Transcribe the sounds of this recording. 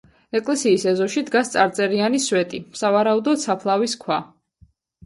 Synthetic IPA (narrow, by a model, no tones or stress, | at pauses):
ɛkʼlɛsiːsɛzɔʃid̪ɡast̪sʼaɾt̪sʼɛɾianiswɛt̪ʼisavaɾaud̪ɔd̪sapʰlˠaviskʰwa